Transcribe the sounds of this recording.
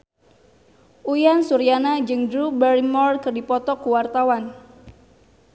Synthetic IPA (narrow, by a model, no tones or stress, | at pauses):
ʔujansuɾianad͡ʒɨŋdɾubɛɾimɔrkɨrdipɔt̪ɔkuwart̪awan